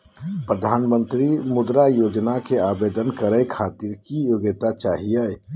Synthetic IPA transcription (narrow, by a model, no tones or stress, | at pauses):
pɾəd̪ʱaːnmə̃nt̪ɾimʊd̪ɾajoːd͡ʒnakeaːbed̪ənkəɾəjkʰaːt̪iɾkijoɡɪt̪at͡ʃaːɦiɛ